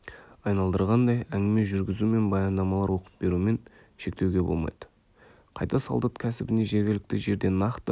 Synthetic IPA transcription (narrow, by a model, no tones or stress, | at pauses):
ɑjnɑlˠd̪əɾʁɑnd̪ɑjæŋɡʲɪme̞ʒʏɾɡʲɪzume̞nbɑjɑnd̪ɑmɑlˠɑɾwo̞qə̥p̚be̞ɾume̞n | ʃe̞kt̪e̞wɡʲe̞bo̞lˠmɑ̰jd̪ə | qʰɑjt̪ɑsɑ̰lˠd̪ɑt̪kʲʰæsɪbɪne̞ʒe̞ɾɡʲɪlɪk̚t̪ɪʒe̞ɾd̪e̞nːɑqt̪ə